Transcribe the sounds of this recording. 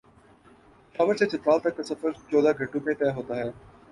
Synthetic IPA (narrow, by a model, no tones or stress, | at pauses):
xɐʋəɾset͡ʃɪt̪ɾaːlt̪ɐk̚ːɐsɐfəɾt͡ʃoːd̪aɡʱɐʈːõmẽt̪ɛːɦoːt̪aɦɛː